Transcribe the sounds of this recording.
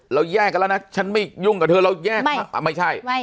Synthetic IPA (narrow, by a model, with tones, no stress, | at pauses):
lə˨˦wzaː˧˩ka˧˦la˧˩na˧˩t͡ɕʰa˧˩nmi˧˩zʊ˧˩˨ŋkaː˨˩t̪ʰɨ˧˨lə˧˦wzaː˧˩˧a˨˩mə˧˩jt͡ɕʰaː˧˩j